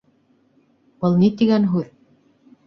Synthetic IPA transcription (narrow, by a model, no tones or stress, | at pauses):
bɤlˠnit̪iɡænɦʉð